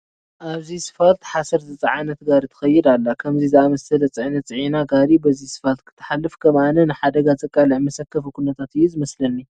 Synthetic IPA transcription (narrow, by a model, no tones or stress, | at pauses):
ʔaβzisɨ̥falt̪ħasɐɾt̪ʰɨt͡sʼɐʕanɐt̪ɡaɾit̪ʰɐ̥xɐjːɪd̪alːakʰɐmzizɨamɐsɐlɐt͡sʼɨʕnɐt͡sʼɨʕinaɡaɾibɐzisɨ̥falt̪̚kʰɨ̥t̪ʰːɨ̥ħalːɨfkʰɐmanɐnɨħad̪ɐɡat͡sʼɐkʼaliʕmɐsɐkːɐfukʰunɐt̪ʰat̪ɨjːuzɨmɐslɐlːi